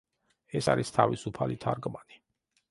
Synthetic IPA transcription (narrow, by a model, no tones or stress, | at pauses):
ɛsaɾist̪ʰavisupʰalit̪ʰaɾɡmani